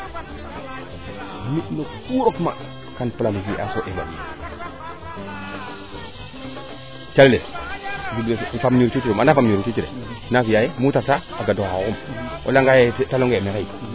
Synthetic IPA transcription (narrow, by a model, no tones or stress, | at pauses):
minokuɾokma̰ | kanplamɡiʔasoʔeva̰li | t͡ʃalled͡ʒublefamniɾt͡ʃut͡ʃiɾemanafamniɾut͡ʃut͡ʃiɾḛnafijajemutak̚taaɡadohaumʔo̰laŋɡajetaloŋɡemeɾai